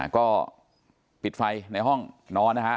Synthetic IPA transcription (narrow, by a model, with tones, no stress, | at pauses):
kɔː˥˩ | pi˨˩t̪̚fa˧jna˧jɦɔ˥˩ŋnɔː˦˧˥nːa˦˥kʰa˦˥